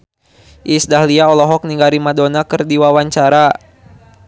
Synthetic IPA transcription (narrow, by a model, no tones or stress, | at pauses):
ʔisdahliaɔlɔɦɔk̚niŋɡaɾimadonakɨrdiwawaɲt͡ʃaɾa